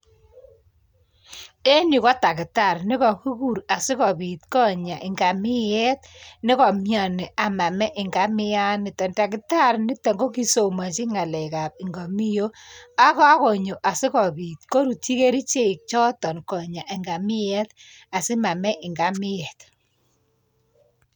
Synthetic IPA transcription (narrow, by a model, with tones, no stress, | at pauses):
e˦ni˨kɔ˦ta˨kɪ˨ta˦˨rnɪ˦kɔ˨ku˦ku˦˨ɾa˨sɪ˦kɔ˨bi˨tkɔ˦ɲa˨ʔɪ˨ŋɡa˨mɪ˦jɛ˦t̚nɪ˦kɔ˨mja˨ni˨a˨ma˨mɛ˦ʔɪ˨ŋɡa˨˦mɪ˦ja˦nɪ˨tɔ˨nta˨kɪ˨ta˦˨rnɪ˦te˨ŋɡo˦ki˦so˨ma˨t͡ʃi˦ŋa˨lɛ˨ka˨p̚ɪ˨ŋɡa˨mi˦jo˦a˦ka˦ko˨ɲo˨ʔa˨sɪ˦kɔ˨bi˨t̚ko˦ɾu˨ti˦ke˦ɾi˦t͡ʃe˦˨k̚t͡ʃɔ˦tɔ˨nkɔ˨ɲa˨ʔɪ˨ŋɡa˨mɪ˦jɛ˦t | a˨sɪ˦ma˨mɛ˦ʔɪ˨ŋɡa˨˦mɪ˦jɛ˨t̚